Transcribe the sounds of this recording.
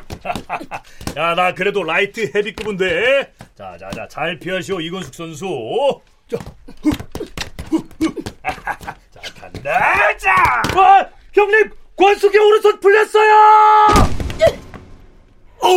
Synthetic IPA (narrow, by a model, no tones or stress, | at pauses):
a | janakɯɾe̞doɾaitʰɯhebik͈ɯbunde̞t͡ɕa̰d͡ʑa̰d͡ʑa̰t͡ɕaɭpʰiaɕ̬ʰioiɡʌnsʰu̥ks͈ʌns̬ʰu | t͡ɕa | t͡ɕaka̰ndat͡ɕaa | kjʌŋɲimkwʌnsʰuɡʌuɾɯsʰʌpuɭʎːʌs͈ʌjo